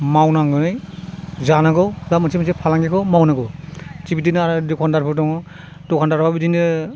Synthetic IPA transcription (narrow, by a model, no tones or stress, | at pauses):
mawnaŋɡɯnɯjzanaɡɔlamasimasepʰalaŋɡikʰɔmawnaɡɔt͡ʃibitinɯaɾdɔkʰɔndaɾpʰɯtɔŋɔ | dɔkʰandaɾpʰabidindɯ